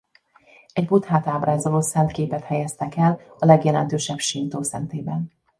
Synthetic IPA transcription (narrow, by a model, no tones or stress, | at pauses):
ɛɟbut̪haːt̪aːbraːzoloːsɛnt̪keːpɛt̪hɛjɛst̪ɛkɛlɒlɛɡjɛlɛnt̪øːʃɛbʃint̪oːsɛ̰nt̪eːbɛn